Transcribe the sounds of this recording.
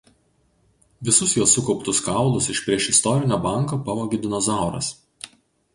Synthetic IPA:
ʋʲɪsʊsjuɔsːʊkɔʊpt̪ʊskɑˑʊlˠʊsɪʃpʲɾʲiɛʃɪst̪ɔɾʲɪnʲoːbɑˑŋkoːpɐʋoːɡʲɪd̪ʲɪnɔzɑˑʊɾɐ̰s

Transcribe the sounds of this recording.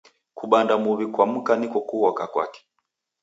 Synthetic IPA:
kuɓandamuβikwam̩kanikɔkuhɔkakwa̰kɛ̥

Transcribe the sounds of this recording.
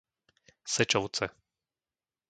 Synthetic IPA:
sɛt͡ʃɔʊt͡sɛ

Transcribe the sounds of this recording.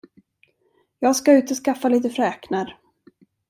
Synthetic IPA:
jɑːɡskaʉ̟ːt̪ɔskafːaliːt̪əfɾɛːknaɾ

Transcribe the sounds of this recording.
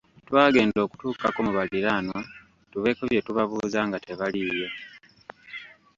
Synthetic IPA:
twaːɡe̞ːndo̞ːku̥tuːkakomuβaliɾaːno̞ | tuβe̞koβje̞tuβaβuːzaːŋɡate̞βalijo̞

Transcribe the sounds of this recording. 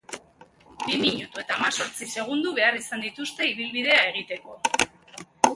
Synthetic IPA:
bimiɲut̪ue̞t̪aːmaso̞ɾt͡sise̞ɣ̞und̪uβe̞arisand̪it̪ust̪e̞iβ̞ilβið̞e̞ae̞ɣ̞it̪e̞ko̞

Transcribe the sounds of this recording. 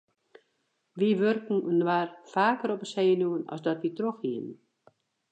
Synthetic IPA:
ʋiʋørkn̩ənwarfaːkəɾɔpəseːənjuənɔ̰sdɔtʋitroxhiənn

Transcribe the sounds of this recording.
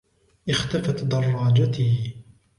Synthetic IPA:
ʔɪxt̪afat̪d̪ɑrˤːɑːd͡ʒat̪ɪ

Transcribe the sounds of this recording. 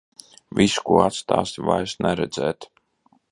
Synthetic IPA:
visu̥kuɔat̪st̪a̰ːst̪ʲva̰jsnɛɾɛd̪zɛːt̪

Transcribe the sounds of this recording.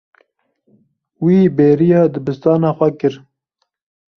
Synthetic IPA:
wiːbeːɾijɑːd̪ɨbɨst̪ɑːnɑːxʷɛkɨɾ

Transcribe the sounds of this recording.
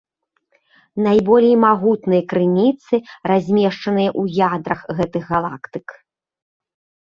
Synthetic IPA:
najbɔlʲɛjmaɣut̪nɨjɐkɾɨnʲit̪sɨrazʲmʲɛʂt͡ʂɐnɨjɐʔujad̪ɾɐxɣɛt̪ɨɣɣalˠa̰kt̪ɨk

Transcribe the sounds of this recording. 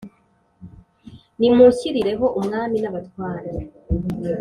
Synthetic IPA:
nimuciɾiɾe̞ɦo̞ʔumŋaːminaβatwaːɾa

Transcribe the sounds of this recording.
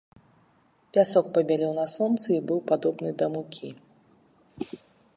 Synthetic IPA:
pʲasɔk̚pɐbʲalʲɛwnɐsɔnt̪sɨibɨwpad̪ɔbnɨd̪ɐmukʲʰi

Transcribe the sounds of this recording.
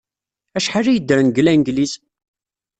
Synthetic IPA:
æʃħarijəd̪ːəɾnɡlænɡlis

